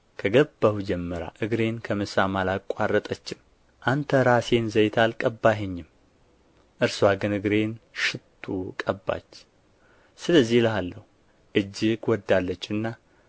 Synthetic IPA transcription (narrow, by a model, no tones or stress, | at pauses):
kʰəɡəbːəhud͡ʒɛmːəɾa̰ʔɨɡɾe̞nkʰəmɨsamalakʷʼwarːət̪ʼət͡ʃːɪm | ʔant̪ʰəɾase̞nzəjt̪ʰalkʼəbːaɦeɲːɪm | ʔɨɾswaɡɨnɨɡɾe̞nʃɪt̪ʰːukʼəbːa̰t͡ʃː | sɨləzːihləɦalːəhu | ʔɨd͡ʒːɪkwɔd̪ːalːət͡ʃːɨnːa